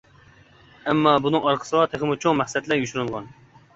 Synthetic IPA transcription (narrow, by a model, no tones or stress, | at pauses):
ɛmːɑbunɨŋɑɾqʰə̥sɨwɑt̪ʰeχɪmɪt͡ʃʰoŋmæχsɛt̪læɾjyʃyɾɪlˠʁɑn